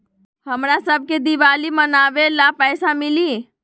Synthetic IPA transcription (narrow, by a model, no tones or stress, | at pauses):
həmɾasəb̚ʱked̪iʋalimənaʋelapəjsamili